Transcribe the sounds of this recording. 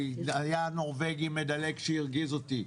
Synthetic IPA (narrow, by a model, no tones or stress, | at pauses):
ajano̞ʁve̞ɡime̞d̪ale̞kʃeiʁɡizo̞t̪i